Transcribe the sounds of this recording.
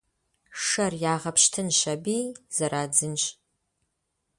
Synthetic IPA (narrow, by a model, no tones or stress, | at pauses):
ʂɐrjaːʁɐpʰʃtʰɨnʃɐbiːz̥ɐɾaːd͡zɨnɕʼ